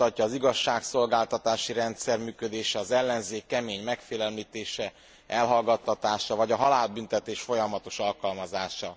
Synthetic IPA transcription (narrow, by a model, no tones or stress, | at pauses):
ɒcːɒːziɡɒʃːaːkso̞lɡaːlt̪ɒt̪aːʃiɾɛnt̪sɛrmyːkød̪eːʃɛɒzɛlːɛnzeːkːɛmeːɲmɛkfeːlɛlmiːt̪eːʃɛ | ɛlɦɒlɡɒt̪ːɒt̪aːʃɒvɒɟɒɦɒlaːlbynt̪ɛt̪eːʃfo̞jɒmɒt̪o̞ʃɒlkɒlmɒzaːʃɒ